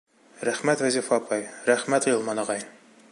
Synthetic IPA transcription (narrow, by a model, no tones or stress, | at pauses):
ɾæχmæt̪væzʲifɑpʰɑjɾæχmæt̪jɤlˠmɑnɑʁɑj